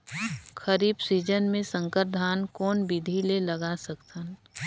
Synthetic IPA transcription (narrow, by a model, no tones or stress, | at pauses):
xəɾiːbsiːd͡ʒənmẽsə̃ŋkəɾd̪ʱaːnkɔːnbid̪ʱilelɐɡasəkt̪ən